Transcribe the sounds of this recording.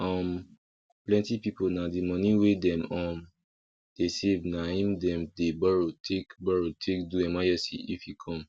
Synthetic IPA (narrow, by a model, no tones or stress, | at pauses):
ɔm | plɛ̃ntipiponadimɔ̃niwedɛ̃mɔ̃m | d̥esevnaĩmdɛ̃mdebɔɹotʰekbɔɹotʰekduɛmajɛsḭifjikʰɔ̃m